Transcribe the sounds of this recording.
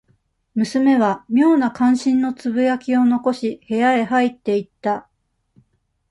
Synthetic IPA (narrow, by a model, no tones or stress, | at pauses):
mɯ̟sɨme̞βamʲo̞ːnakãɰ̃ɕĩnːo̞t͡sɨbɯ̟jakʲio̞no̞ko̞ɕihe̞jae̞ɦait̪ːe̞it̪ːa